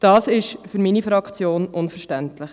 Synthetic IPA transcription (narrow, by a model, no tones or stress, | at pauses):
d̥ɑːsɪʃfʏɾminifɾɑkʰt͡sjoːnʔʊnfəɾʃtæntlɪχ